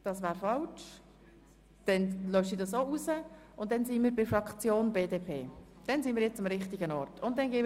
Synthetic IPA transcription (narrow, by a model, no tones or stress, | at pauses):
d̥ɑsvæːɾfɑlt͡ʃ | d̥ɛnlœʏsidɑsousə | ʊnt̚d̥ɛnsinmiːɾbɪfɾɑkt͡sjoːnbeːdeːpʰeː | d̥ɛnsinmiːɾjɛt͡sɑmɾɪχtiɡənɔɾtʊnt̚d̥ɛnɡeː